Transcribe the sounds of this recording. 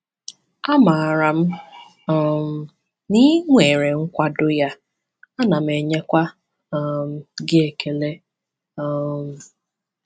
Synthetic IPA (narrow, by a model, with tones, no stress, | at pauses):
a˦ma˨ɾa˨m̩˦ | ɔ˨m̩˨ | ni˦ŋʷe˨ɾe˨ŋ̩˦kʷa˦dʊ˦ja˦ | a˦na˨m̩˨e˨ɲe˦kʷa˦˨ | m̩˨ɡɪ˦e˨ke˨le˦˨ | m̩˨